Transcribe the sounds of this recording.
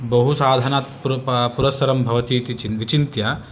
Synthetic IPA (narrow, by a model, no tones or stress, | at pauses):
bɐɦusaːd̪ʱɐnaːt̪puɾpuɾɐsɐɾɐmbʱɐʋɐt̪iːt̪iinʋit͡ʃint̪jɐ